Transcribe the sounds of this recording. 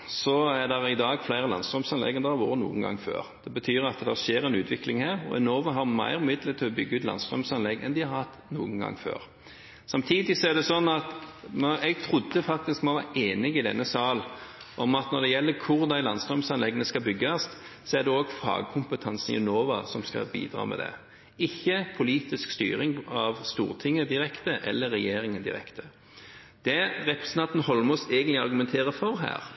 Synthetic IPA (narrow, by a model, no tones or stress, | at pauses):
sɔæd̪ɛʁɪd̪ɑːɡflæɪʁəlɑ̰nsd̪ʁœmsɑnlɛ̰ɡənd̪ɛhɑɾʋo̰ːɾənṵːənɡɑ̰ŋːfø̰ːʁd̪̥ɛbət̪ʰyːɾɑt̪d̪æʃeːɾɛnʉːt̪ʰʋɪklɪŋhæːʁɔ̰ɪ̰noːʋɑɦɑʁmæ̰ɪʁʏmɪd̪lət̪ʰɪlɔbʏɡːəʉːt̪lɑ̰nst̪ʁœmsɑnlɛɡɛ̰nd̪ɪhɑɾhɑt̪ːnṵːəŋ̩ɡɑ̰ŋːfø̰ːʁ | sɑmt̪ʰiːd̪ɪsɔæʁd̪ɛsɔnːɑt̪mɛɡ̚t̪ʰʁʊd̪ːəfɑk̚t̪ɪskmɔʋɑ̰ːʔeːnɪɡɪd̪ɛ̰nːəsɑːlʔɔmɑt̪nɔʁd̪ɛjɛlːəkʰʊʁd̪æɪlɑnsd̪ʁɔmsɑnlɛɡnəskɑbʏɡːɑssɔæʁd̪ɛoːɡfɑ̰ːɡkʰʊmpət̪ʰɑnsn̩ɪ̰noːʋɑsɔmskɑ̰bḭːd̪ɾɑ̰ːmɛ̰d̪ɛ̰ | ɪçːəpʰʊliːt̪ɪskst̪y̰ːɾɪŋɑʋst̪ṵːʁt̪ʰɪŋːəd̪ɪɾɛkt̪əʔɛ̰lːəɾɛjeːɾɪŋənd̪ɪ̰ɾɛ̰kt̪ʰə | d̪̥ɛɾɛpɾɛsnɑnt̪n̩hɔlːəmɔst̪ɛɡənt̪lɪɑɾɡʊmɛnt̪ʰeːʁəfɔɾɦæ̰ːɾ